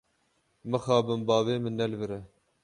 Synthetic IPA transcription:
mɨxɑːbɨmbɑːveːmɨnːɛlbɨɾɛ

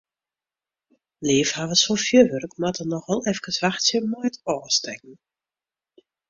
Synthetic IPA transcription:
leːfhaːvəsfofjøʋørkmatʰənɔxʋɛlˠɛfkəsʋaxsjəmɔjtɔːstɛk̚n̩

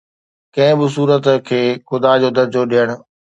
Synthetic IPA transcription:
kɐ̃ɦɪ̃bɪs̬uːɾət̪kʰeːxʊd̪ad͡ʑoːd̪ɐɾd͡ʑoɗijəɽ̃ʊ̆

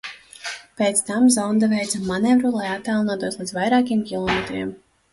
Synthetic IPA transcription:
peːt̪st̪amzɔwnd̪avɛjt̪zamːanɛvɾulˠajat̪ːalˠnaːt̪uɔslˠid̪zvajɾaːkʲiɛmkʲilˠɔmet̪ɾʲiɛm

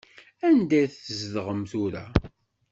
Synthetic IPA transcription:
ænd̪æjθəzðəʁəmθuɾæ

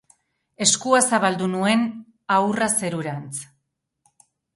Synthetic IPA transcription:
e̞skuasaβald̪unue̞n | awrase̞ɾuɾant͡s

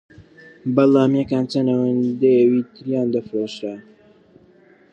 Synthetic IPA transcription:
bɐlaːmjɛkaːnt͡sɐnɐwɐnd̪ejəwiːt̪ʰɨɾjaːnd̪ɐfɾoːʃɾa

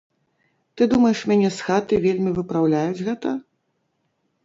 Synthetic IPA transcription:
t̪ɨd̪umɐjɛʂmʲanʲɛsxat̪ɨvʲelʲmʲivɨpɾawlʲajud͡zʲɣɛt̪ɐ

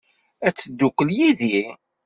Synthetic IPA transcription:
æt͡sːəd̪ːukːəljiði

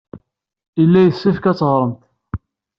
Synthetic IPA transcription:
ilːæjəsːifkæt͡sːʁɾˤəmt̪

